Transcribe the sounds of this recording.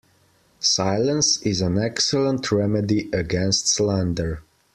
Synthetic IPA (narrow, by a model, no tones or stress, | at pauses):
saɪlˠə̃nsɪzə̃nɛksəlˠə̃ntʰɹɛmədiʔɨɡɛ̃nstslãndə˞